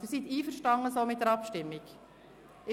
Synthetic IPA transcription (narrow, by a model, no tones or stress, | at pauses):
ɪsit̪iːfəɾʃtɑŋəsoːmɪt̚dəɾɑpʃtɪmːik | ɪ